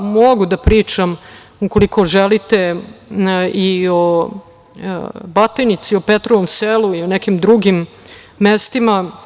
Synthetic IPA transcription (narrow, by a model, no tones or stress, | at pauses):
moɡud̪apɾiːt͡ʂam | uko̞liko̞ʒelit̪e̞ | io | bat̪ejnit̪siopet̪ɾoʋomseluionekimd̪ɾuɡimː | est̪ima